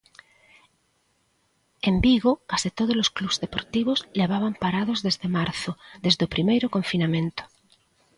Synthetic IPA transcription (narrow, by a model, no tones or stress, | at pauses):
embiɣokasit̪oð̞ozloskluβzðepoɾt̪iβ̞ozleβ̞aβampaɾaðozðezðemaɾθoðezðopɾimejɾokoɱfinamẽnt̪o̥